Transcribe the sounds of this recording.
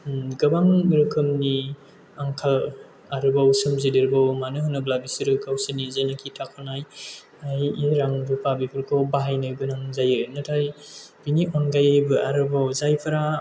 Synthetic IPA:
ɡɐbamɾɯkʰɯmni | aŋkʰal | aɾɯbawsɯmzidiɾbawmanɯɦɯnɯblabisiɾɯkʰawsɯnizajnakʰitʰakʰɔnaj | ajiɾaŋbupabipʰɯɾkʰɔwbaɦajnɯbɯnaŋzajɯnɯtʰajbiniʔɔnɡajɯbɯʔaɾɯbawzajpʰɯɾa

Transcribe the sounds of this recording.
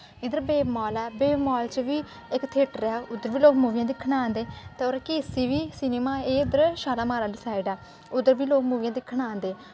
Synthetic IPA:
ɪd̪əɾbeːbmɔːlɛːbeːbmɔːlt͡ʃʋiː | ɪkt̪ʰeːʈɾeaːʊd̪əɾʋiːloːɡmuːʋɪjãːd̪ɪkʰːɳãːnd̪eːt̪eːoːɾkiːsiːʋiːsineːmaːeːd̪əɾʃaːlaːmaːɾaːɖɪsaːɪɖɛː | ʊd̪əɾʋiːloːkmuːʋɪjãːd̪ɪkʰːəɳãːnd̪eː

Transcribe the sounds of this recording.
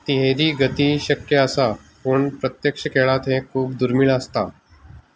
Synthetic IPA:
t̪ɪɦeːɾiɡət̪iʃɐkjəɐsaː | pʊɳpɾɐt̪jəkʃəkeːɭaːt̪ɦẽkʰuːb̚d̪ʊɾmɪlaːst̪aː

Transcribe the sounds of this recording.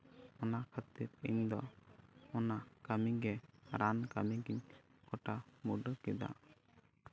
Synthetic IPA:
ɔnakʰət̪iɾḭɲd̪ɔ̰ | ɔnakamiɡɛɾankamiɡiɲkɔʈamuɖəkɛd̪a̰

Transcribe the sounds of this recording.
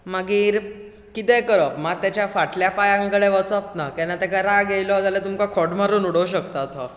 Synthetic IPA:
maɡiːɾ | kit̪ɛ̃kəɾəpmat̪jat͡ɕjafaʈljapajãŋkəɽeʋət͡sɔp̚nakɛnːat̪ɛkaɾaɡejlɔɦd͡zalet̪umkakʰɔʈmaɾuːnuɽəuɕ̬əkt̪at̪ɦɔ

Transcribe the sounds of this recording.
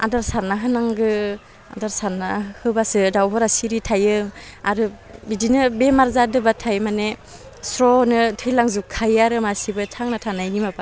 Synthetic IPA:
a̰daɾsaɾnaɦɯnaŋɡɯ | a̰daɾsaɾnahɯbasɯdawbɔɾasiɾitʰajɯaɾɯ | bidinɯbemaɾzadɯbatʰajmane | sɾɔnɯtʰɯjlaŋzukʰːajaɾɯmasibɯtʰaŋnatʰanajnimapa

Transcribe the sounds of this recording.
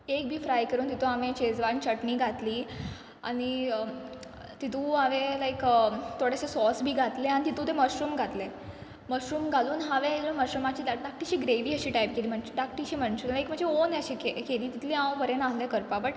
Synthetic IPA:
ekbʱiːfɾajkəɾuːnt̪it̪ũaʋẽt͡ɕed͡zʋant͡ɕəʈniːɡʱat̪liː | a̰ɽ̃i | t̪it̪ʰũɦaʋelajkt̪ʰoɽasesɔsbʱiːɡʱat̪leaɽ̃it̪it̪ũt̪eməɕɾuːmɡʱat̪le | məɕɾuːmɡʱaluːnɦaʋẽloməɕɾumat͡ɕiːd̪ad̪ak̚ʈiɕiːɡɾeʋiːəɕiːʈajp̚keliːm̤əɳd͡ʑed̪ak̚ʈiɕiːməɳsullajkm̤əɳd͡zeonaɕekekeliːt̪it̪ʰlĩãwbəɾẽnaɦlekəɾpapəʈ

